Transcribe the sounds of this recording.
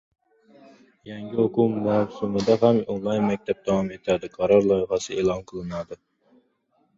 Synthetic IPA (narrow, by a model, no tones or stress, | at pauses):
jɛŋɡʲihʊqumɑwsumɨd̪ɛɦæmonlˠɑjnmɛk̚ʲt̪ʰɛp̚d̪̥ɑwɑmet̪ʰæd̪ɪqʰɑɾɑɾlˠɑjəχɑsɨeːlˠɑnqʰəlˠɨnɑd̪ɨ